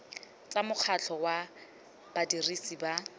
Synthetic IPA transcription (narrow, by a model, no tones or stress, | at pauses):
t͡samʊk͡xʰat͡ɬʰɔwa | b̥adirisiba